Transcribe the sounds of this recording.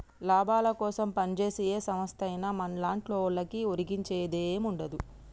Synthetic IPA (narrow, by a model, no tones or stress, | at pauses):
laːbaːlɐkɔːsɐmpɐnt͡ʃe̞ːsijeːsɐmɐst̪ʰɐjnɐmɐnlaːɳʈloːɭːɐkioɾiɡiɲt͡ʃeːd̪eːmuɳɖɐd̪u